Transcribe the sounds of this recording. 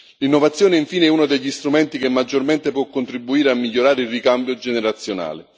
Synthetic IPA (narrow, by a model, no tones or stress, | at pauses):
linːovat̪sːjoːneiɱfiːneɛunod̪eʎːist̪ɾumɛnt̪ikemːad͡ʒːorment̪epwɔkːont̪ɾibːuiːɾeamːiʎːoɾaːɾeilrːikambjod͡ʒeneɾat̪sːjona̰ːle